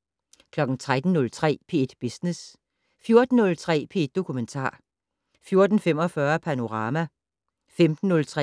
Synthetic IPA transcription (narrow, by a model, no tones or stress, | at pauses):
kʰlɒ̽ɡ̥n̩t͡sʰʁad̥n̩ːɔ̽lt͡sʰʁɛ̰ːpʰe̝ed̥b̥isnes | fjo̝ɐd̥n̩ːɔ̽lt͡sʰʁɛ̰ːpʰe̝ed̥ːo̝kʰument͡sʰɑ̰̈ː | fjo̝ɐd̥n̩fem̰ɒ̽fɶːɐpʰæno̝ʁɑ̈ːmæ | femd̥n̩ːɔ̽lt͡sʰʁɛ